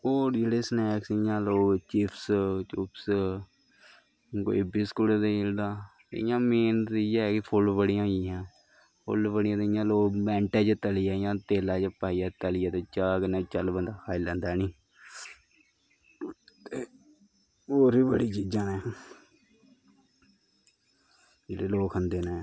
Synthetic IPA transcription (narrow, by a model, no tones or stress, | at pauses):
oːd͡ʒeːɽeːsnɛːksɪjãːloːɡt͡ʃiːpʰst͡ʃʊps | ko̰ɪbiskʊɽd̪eɪld̪ãːt̪ːɪjãːmeːnt̪ijɛkɪpʰʊlbəɽɪjãːiɦãː | pʰʊ̰lbəɽɪjãːt̪ːɪjãːloːbɛ̃ːɳʈɛːd͡ʒt̪əlijaːɪjãːt̪eːlaːt͡ʃəpaːiːaːt̪əlɪjaːt̪eːt͡ʃakənaːt͡ʃəlbənd̪aːkʰaːɪlːɛːnd̪aːɛːnĩː | t̪eː | oːɾiːbəɽiːt͡ʃiːd͡ʒãːnɛ̃ː | d͡ʒeːɽeːloːkənd̪eːnẽː